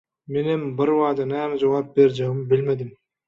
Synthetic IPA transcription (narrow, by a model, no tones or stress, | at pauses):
menembɯɾβɑːd̪ɯnæːmd͡ʒawɑp̚beɾd͡ʒɑɣɯmbilmed̪im